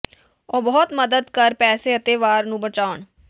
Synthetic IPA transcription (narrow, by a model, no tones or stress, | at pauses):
ɔːbɔːt̪məd̪əd̪kəɾpɛːseːət̪eːʋaːɾnũːbət͡ʃaːʊɳ